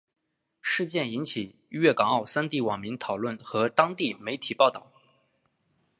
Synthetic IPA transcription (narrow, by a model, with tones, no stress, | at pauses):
ʂɻ̩˥˧t͡ɕjɛ˥˩ni˧˥nt͡ɕʰi˨˩ | ɥɛ˥˩kɑ˨˩ŋɑ˥˩ʊsa˥nt̪i˥˩wɑ˨˩ŋmi˧˥ŋt̪ʰɑ˨˩ʊlwə˥˩nxɤ˧˥t̪ɑ˥ŋt̪i˥˩me˧˥ɪt̪ʰi˨˩pɑ˥˧ʊt̪ɑ˥˩ʊ